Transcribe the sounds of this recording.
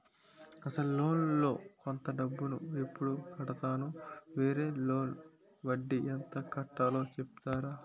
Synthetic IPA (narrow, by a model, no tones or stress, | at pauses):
ɐsɐlulo̞ːnlo̞ːkont̪ɐɖɐbːunuepːuɽukɐɽɐt̪aːnuʋe̞ːɾe̞ːlo̞ːn | ʋɐɖːiɐnt̪ɐkɐʈːaːlo̞ːt͡ʃepi̥t̪aːɾaː